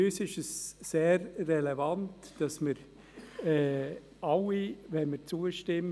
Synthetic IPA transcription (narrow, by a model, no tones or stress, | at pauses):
øsɪʃəsːeːɾːɛlɛvɑntd̥ɑsməɾ | ɛː | ɑlːivɛnmət͡suəʃtɪm